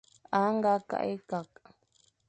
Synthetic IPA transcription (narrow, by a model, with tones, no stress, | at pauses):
a˨˦ŋɡa˦ka̰˨ʔi˦ka˨k̚ʼ